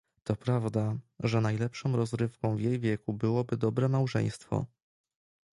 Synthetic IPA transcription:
t̪ɔpɾavd̪aʐɛnajlɛpʂɔ̃w̃ɾɔzɾɘfkɔ̃w̃vjejvʲjɛkubɘwɔbɘd̪ɔbɾɛmawʐɛ̰j̃st̪fɔ̰

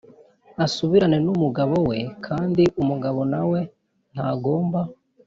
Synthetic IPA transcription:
asuβiɾane̞numuɡaβowe̞kʰaːndiʔumuɡaβo̞nawe̞ | n̥haɡo̞ːmba

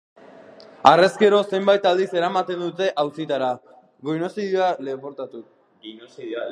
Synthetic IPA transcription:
are̞ske̞ɾo̞se̞mbajt̪ald̪ise̞ɾamat̪e̞nd̪ut̪e̞ʔawsit̪aɾa | ɡojno̞siðjoale̞βoɾt̪at̪u | si

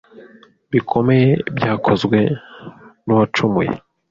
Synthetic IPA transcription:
bikʰo̞me̞jebjaːkʰo̞zɡwe̞ | nowat͡ʃumujḛ

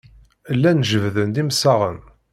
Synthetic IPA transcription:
əlːænʒəvðənd̪imsːaʁə̰n

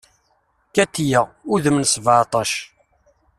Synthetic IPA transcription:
kæt̪ːjəuðəmnsˤvʕt̪ˤɑʃ

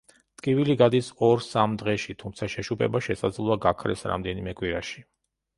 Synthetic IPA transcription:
t̪ʼkʼiviliɡad̪isɔɾsamd̪ʁɛʃit̪ʰumt̪sʰaʃɛʃupʼʰɛ̰baʃɛsad̪zlˠɔaɡakʰɾɛ̰sɾa̰md̪ɛnimɛkʼwiɾaʃi̥

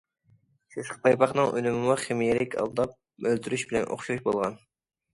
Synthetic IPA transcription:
ʃʰeʃqpʰɑjpɑχnɨŋølymɪmuχɪmijelɪkʲʰɑ̰lˠd̪ɑp̚ | ølt̪ʰyɾyʃbɪlɛ̰nʔo̰χʃuɾuʃbolˠʁɑn

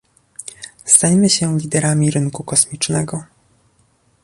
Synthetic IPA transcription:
st̪ajmɘɕɛlʲid̪ɛɾamʲiɾɘŋkukɔsmʲit͡ʂnɛɡɔ

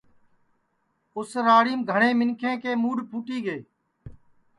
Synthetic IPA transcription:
ʊsɾaːɽiːmɡʱəɳẽːmɪŋkʰẽːkeːmuːɖpʰuːʈiːɡeː

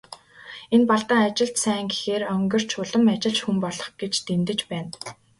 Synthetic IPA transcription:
enpaɮt̪aːat͡ɕɪ̆ɬt̪sæːŋɡe̥xeːrœŋɡɪ̆r̥t͡ɕʰʊɮə̆mat͡ɕɪ̆ɮt͡ɕxumpɔɮɞ̆χɡ̥et͡ɕt̪emt̪ɘ̆t͡ɕpæːn

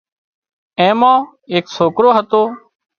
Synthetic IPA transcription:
ẽːmãː | eːksoːkɾoːɦət̪oː

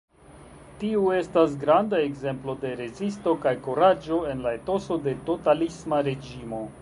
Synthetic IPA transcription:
tiue̞stas̬ɡɾandae̞kze̞mplo̞de̞ɾe̞zisto̞kajkoɾad͡ʒo̞e̞nlae̞to̞so̞de̞to̞talismaɾe̞d͡ʒimo̞

